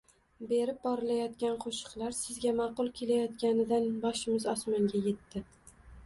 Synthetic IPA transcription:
be̞ɾɪp̚bɒɾɪlajɒt̪kʲanqʰoʃɨ̥qlˠaɾsɪzɡʲamɑqʊlˠkʲʰe̞lajɒt̪kʲanɪd̪anbɒʃɪmɪzɒsmaŋɡʲaje̞t̪ːɪ

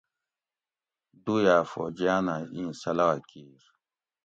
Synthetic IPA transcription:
d̪ujaːfo̰d͡ʒijanaĩːsɐlawakiːɾ

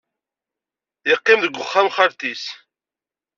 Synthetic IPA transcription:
jəqːimðəɡʷːʊχːæmχaɾt̪is

